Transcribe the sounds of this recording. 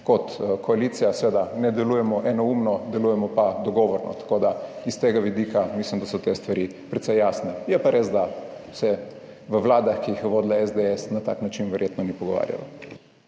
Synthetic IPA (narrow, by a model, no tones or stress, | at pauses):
kɔt̪kʰɔalit̪sijasʋeːd̪anɛd̪ɛlujɛmɔʔɛnɔumnɔd̪ɛlujɛmɔpad̪ɔɡɔʋɔɾnɔ̰t̪ḁkod̪aist̪eːɡaʋid̪iːkamislimd̪asɔt̪est̪ʋaɾi | pɾɛt̪sɛjːaːsnɛjɛpaɾeːzd̪asɛ | ʋəʋlaːd̪axkiixjɛʋoːd̪laɛzd̪eɛsnat̪a̰knat͡ʃinʋəɾjet̪nɔnipɔɡɔʋa̰ːɾja̰la̰